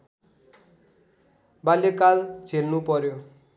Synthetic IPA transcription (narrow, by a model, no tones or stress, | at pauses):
baljekald͡zʱelnupʌɾjo